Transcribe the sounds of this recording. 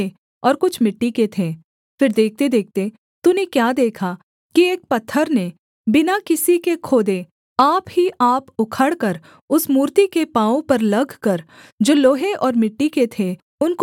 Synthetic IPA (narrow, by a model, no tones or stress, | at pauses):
e | ɔːɾkʊt͡ʃʰmɪʈːiket̪ʰeː | fɪɾd̪eːk̚t̪ed̪eːk̚ʰt̪e | t̪unekjaːd̪eːkʰa | kieːk̚pɐt̪ʰːəɾne | bɪnakɪsikekʰoːd̪e | aːpɦiʔaːpʊkʰəɽkəɾ | ʊsmuːɾt̪ikepãːõpɐɾlɐɡʱkɐɾ | d͡ʒoːloːɦeʔɔːɾmɪʈːiket̪ʰe | ʊnk